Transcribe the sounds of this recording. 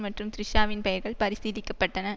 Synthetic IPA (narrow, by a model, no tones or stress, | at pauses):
mɐʈrɯmt̪ɪɾɪʂaːʋɪnpɐjɐɾɣɐɭpɐɾɪsiːðɪkːɐpːɐʈːɐnɐ